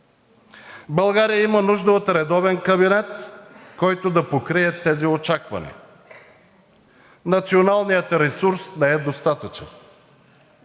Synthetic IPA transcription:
bɐlˠɡaɾijəimɐnuʒd̪ɐot̪ɾɛd̪ɔvɛnkɐbinɛt̪kɔjt̪od̪ɐpokɾiɛt̪ɛziot͡ʃakvɐ̰nḭ | nɐt̪sionalˠnijət̪ɾɛsuɾsnɛɛd̪ost̪at̪ɐt͡ʃə̰n

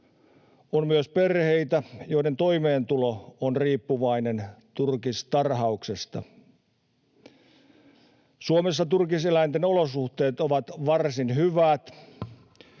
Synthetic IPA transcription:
onmyøspe̞rhejt̪æjoident̪ojmeːnt̪uloonriːpːuʋɑinent̪urkist̪ɑrɦɑuksest̪ɑ̰ | suomesːɑt̪urkiselæint̪enolosuht̪e̞ːt̪oʋɑt̪ʋɑrsinɦyʋæt̪

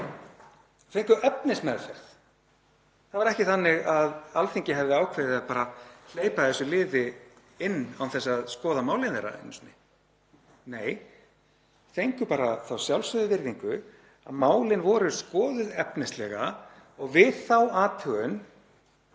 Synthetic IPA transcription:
θejŋkʏʔœpnɪsmɛɾfɛɾ̥θ | θaðvaɾɛhcɪθanːɪɣaðalθiɲcɪɦɛvðɪawkʰvɛːðɪaðpaːɾal̥eːjpaɛsːʏlɪːvɪ | ɪnːawθɛsːaðskɔːðamaːwlɪnθejɾa̰ɪ̰nːsnɪ | neːj | θejŋkʏpaːɾaθawsjawlsʏðɪvɪɾðiŋkʏ | a̰ðmaːwlɪnvɔɾʏskɔːðʏðɛpnɪst̪lɛɣa | ɔɣvɪðθawaːt̪ʰʏɣʏn

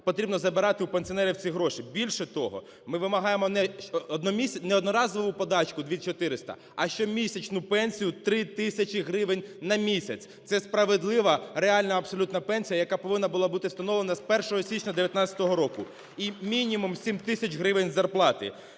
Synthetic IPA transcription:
pɔt̪ɾʲibnɔzɐbɪɾɑt̪ɪupenʲsʲiɔnɛɾʲiwt͡sʲiɦɾɔʃibʲilʲʃɛt̪ɔɦɔ̰ | mɪʋɪmɐɦɑjemɔnɛɔd̪nɔmʲisʲɐnɛɔd̪nɔɾɑzɔʋʊpɔd̪ɑt͡ʃkʊd̪ʲʋʲit͡ʃɔt̪ɪɾɪst̪ɐ̰ | ɐʃt͡ʃɔmʲisʲɐt͡ʃnʊpɛnʲsʲijʊt̪ɾɪt̪ɪsʲɐt͡ʃɪɦɾɪʋenʲnɐmʲisʲɐt͡sʲt̪sɛspɾɐʋed̪lˠɪʋɐreɑlʲnɐɐbsɔlʲut̪nɐpɛnʲsʲijɐjɐkapɔʋɪnːɐbʊlˠɑbut̪ɪwst̪ɐnɔʋlˠenɐspɛrʃɔɦɔsʲit͡ʃnʲɐd̪eʋʲjɐt̪nɑt͡sʲɐt̪ɔɦɔɾɔkʊ | imʲinʲimumsʲimʲt̪ɪsʲɐt͡ʃʲɦɾɪʋenʲzɐrplˠɑt̪ɪ̰

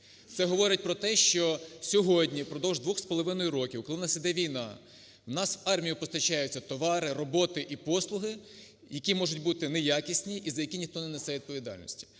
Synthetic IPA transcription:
t̪sɛɦɔʋɔɾɪt̚ʲpɾɔt̪ɛʃt͡ʃɔsʲɔɦɔdʲnʲipɾɔd̪ɔwʒd̪ʋɔxspɔlˠɔʋɪnɔjʊɾɔkʲiwklˠɪnɑsid̪ɛʋʲijnɑ | wnɑswɑrmʲijʊpɔst̪ɐt͡ʃɑjʊt͡sʲːɐt̪ɔʋɑɾɪrɔbɔt̪ɪʔipɔslˠʊɦɪ | jɐkʲimɔʒʊtʲbut̪ɪnejakʲisʲnʲiʔizɐjɐkʲinʲixt̪ɔnɛnesɛʋʲid̪̚pɔʋʲid̪ɑ̰lʲnɔ̰sʲtʲi̥

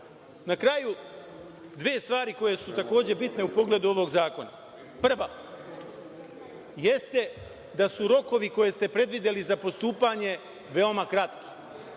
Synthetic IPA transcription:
nakɾaju | d̪ʋeːst̪ʋaːɾiko̞je̞sut̪ako̞ːd͡ʑe̞bit̪ne̞upo̞ɡle̞d̪uo̞ʋo̞ɡzaːko̞na | pr̩ʋa | je̞st̪e̞ | d̪asuɾo̞ko̞ʋiko̞je̞st̪e̞pɾe̞d̪ʋid̪e̞lizapo̞st̪uːpaɲe̞ | ʋe̞o̞makɾat̪ki̥

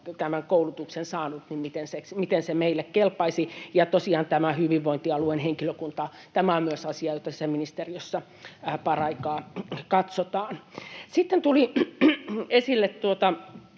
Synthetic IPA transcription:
t̪æmæŋkoulut̪uksensɑːnut̪nimmit̪enseksmit̪ensemeilːekkelpːɑisijɑt̪osiɑːnt̪æmæhyʋiʋʋoint̪iɑluenheŋkiløkunt̪ɑː | t̪æmæommyøsɑsiɑjot̪ɑsisæminist̪eriøsːɑ | pɑrɑikɑːkɑt̪sot̪ɑːnsit̪ːent̪uli | esilːet̪t̪uot̪ɑ

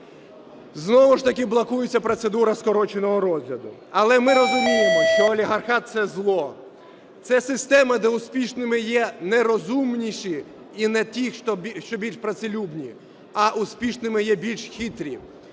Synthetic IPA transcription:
znɔʋʊʃt̪ɐkʲɪblˠɐkujet͡sʲːɐpɾɔt̪sed̪uɾɐskɔɾɔt͡ʃenɔɦɔɾɔzʲlʲɐd̪ʊ | ɐlˠɛmɪɾɔzʊmʲijemɔʃt͡ʃɔːlʲiɦɐrxɑt̪̚sɛzlˠɔ | t̪sɛsɪst̪ɛmɐd̪ɛʊsʲpʲiʃnɪmɪjɛnɛɾɔzumnʲiʃi | inɛt̪ʲixʃt̪ɔʃt͡ʃɔbʲilʲʃpɾɐt̪sɪlʲubnʲi | ɐʔʊsʲpʲiʃnɪmɪjɛbʲilʲʃxʲit̪ɾʲḭ

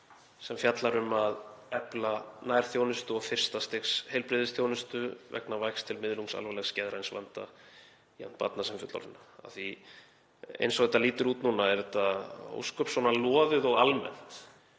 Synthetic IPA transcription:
sɛmfjat̪laɾʏmaðɛplanaːjɾ̥θjoːwnʏst̪ʏɔɣfɪr̥st̪ast̪ɪxshɛjlpɾɪðɪsθjownʏst̪ʏvɛ̰knavajkst̪ʰɪlmɪðluŋksa̰lvɛlɛxscɛːðɾajnsva̰nt̪a̰ | ia̰n̥t̪pa̰t̪nasɛmfjʏt̪la̰ɾɪnaa̰θi | ḛjnsɔɣðɛt̪aliːt̪ʏɾuːt̪nuːnaɛɾðɛt̪ao̰wskœpsɔnalɔːðɪðɔɣalmɛ̰n̥t̪

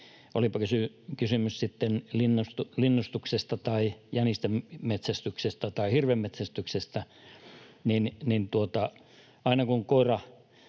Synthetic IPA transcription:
olipɑkysy | kysymyssit̪ːenlinːost̪ulinːust̪uksest̪ɑt̪ɑijænist̪emmet̪sæst̪yksest̪ɑt̪ɑihirʋemmet̪sæst̪yksest̪æ | ninnint̪uot̪ɑ | ɑinɑkuŋkoirɑ

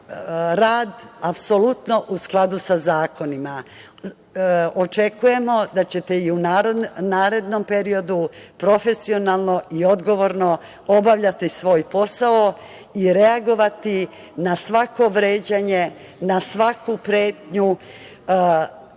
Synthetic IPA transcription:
ɾaːd̪apsolut̪no̞ʔusklˠad̪usazaːko̞nima | ot͡ʃe̞kuje̞mo̞d̪at͡ɕe̞t̪e̞iunaɾnaːɾe̞d̪no̞mpe̞ɾio̞d̪upɾo̞fe̞sio̞nalˠno̞ʔio̞d̪ɡo̞ʋo̞ɾno̞ | o̞baʋʎat̪isʋo̞ːjpo̞sao | iɾeaɡo̞ʋat̪i | nasʋako̞ʋɾeːd͡ʑaɲe̞ | nasʋakupɾe̞ːt̪ɲu

